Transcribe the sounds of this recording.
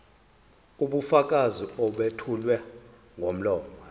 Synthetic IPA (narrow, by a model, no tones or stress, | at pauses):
uɓufak̬ʼaziɔɓetʰulwɛ | ŋʱom̩lɔːma